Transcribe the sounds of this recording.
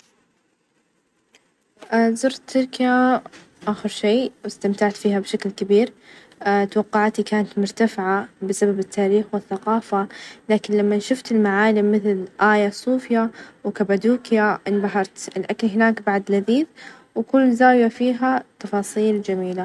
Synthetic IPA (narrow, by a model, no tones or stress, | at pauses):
ʔzʊɾˤt̪ʰːʊɾkja | ʔaːxɪɾʃeːwɪst̪amt̪aʕt̪fiːhabʃaklkɪbiːɾ | t̪wɑqːɑʕt̪ikaːnat̪mʊɾˤt̪afɪʕabɪsababɪt̪ʰːaːɾiːxwɪθːaqɑːfalaːkɪnlamːanʃʊft̪ɪlmaʕaːlɪmːɪθlʔaːjasˤuːfjawkabad̪uːkjaʔɪnbaɦɑɾˤt̪ɪlʔakalɦɪnaːkbaʕd̪laðiːθ | wkʊlːzaːwjafiːɦat̪ːɑfɑːsˤiːld͡ʒamiːla